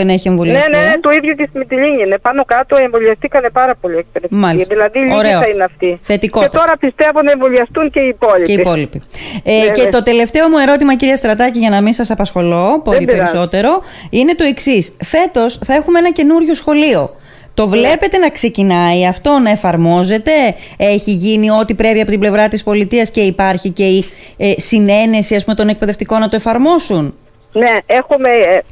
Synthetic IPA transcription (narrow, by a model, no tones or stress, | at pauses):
ene̞çie̞ɱvoliɐnesnenet̪uiðʝucesimit̪iʎiɲinepɐno̞kɐt̪oeɱvoliɐst̪ikɐnepɐɾɐpo̞ʎiekspeɾet̪mɐliðilɐðiʎoɾeoineɐft̪iθe̞t̪ikoet̪ːt̪o̞ɾɐpist̪eɐvonɐeɱvoʎiɐst̪uŋceiːpo̞ʎieipo̞lipi | cet̪o̞t̪e̞le̞ft̪e̞o̞mue̞ɾo̞t̪imɐciɾiɐst̪ɾɐt̪ɐciʝɐnɐminsɐsɐpɐsxo̞lo̞poeɾiieɾiso̞t̪e̞ɾo̞ine̞t̪o̞e̞ksisfe̞t̪o̞sθɐe̞xumeenɐce̞nuɾʝo̞sxo̞lio̞ | t̪o̞vle̞pe̞t̪e̞nɐkse̞cinɐiɐft̪o̞nɐe̞fɐɾmo̞ze̞t̪e̞eçiʝinio̞t̪ipɾe̞piɐpo̞t̪ible̞vɾɐt̪ispo̞lit̪iɐsce̞ipɐɾçice̞i | sine̞ne̞siɐs̬pumet̪o̞ne̞k̚pe̞ðe̞ft̪iko̞nɐt̪o̞e̞fɐɾmo̞sun | neexume